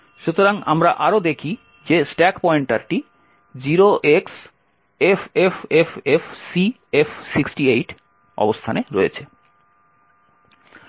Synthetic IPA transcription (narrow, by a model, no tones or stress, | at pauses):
ʃut̪oɾaŋamɾa̰ʔaɾod̪ekʰi | d͡ʑesʈɛkpɔeɳʈaɾʈi | d͡ʑiɾoʔeks | efefefefsi | efsiksʈiejʈ | ɔ̰bost̪ʰaneɾoet͡ɕʰe